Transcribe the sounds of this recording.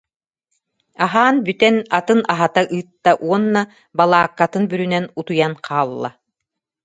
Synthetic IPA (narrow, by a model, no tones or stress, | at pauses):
aɦaːnbyt̪ɛnat̪ɯnaɦat̪aʔɯːt̪ːaʔuɔnːa | balˠaːkːat̪ɯnbyɾynɛnut̪ujanqʰaːlˠːa̰